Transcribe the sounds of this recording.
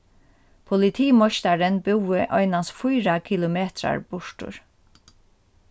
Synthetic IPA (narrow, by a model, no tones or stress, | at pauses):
pʰʊlɪt̪ʰiːmɔʃt̪aɾənbɪwɪʔɔʏnansfʊjɾakʰɪlʊmeːt̪ɾa̰ɹb̥ʊʂtʊ̰ɹ